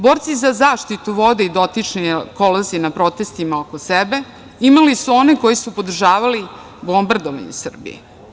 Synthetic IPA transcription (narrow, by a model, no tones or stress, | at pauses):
bo̞ɾt̪sizazaːʃt̪it̪uʋo̞d̪eid̪o̞t̪it͡ʂnikolozinapɾo̞t̪e̞st̪imaokosebe̞ | imalisuo̞neko̞jisupo̞d̪r̩ʒaːʋali | bo̞mbard̪oʋa̰ɲṵsr̩bḭjḛ